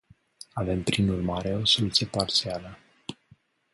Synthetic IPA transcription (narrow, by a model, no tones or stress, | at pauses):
ave̞mpɾinurmaɾe̞o̞so̞lut̪sije̞part̪sialə